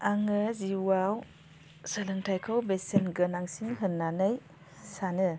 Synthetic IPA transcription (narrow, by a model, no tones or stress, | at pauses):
aŋɯziwaw | salɯntʰajkʰawbesenɡɯnaŋsinɦɯnːanɯj | sanɯ